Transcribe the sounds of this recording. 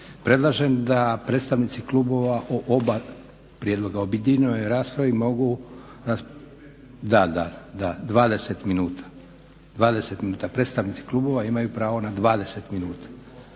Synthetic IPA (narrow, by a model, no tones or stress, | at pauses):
pɾe̞d̪lˠaʒend̪apɾet̪st̪aʋnit̪sikluːbo̞ʋaʔoʔoba | pɾijed̪lˠo̞ɡaobid̪ʲinojɾaːspɾaʋimo̞ɡu | ɾas | d̪ad̪ad̪ad̪ʋaːd̪e̞set̪minuːt̪ʰḁ | d̪ʋaːd̪eset̪minuːt̪apɾe̞t̪st̪aʋnit̪si̥klˠuːbo̞ʋaimajupɾaːʋo̞nad̪ʋaːd̪e̞set̪minuːt̪ḁ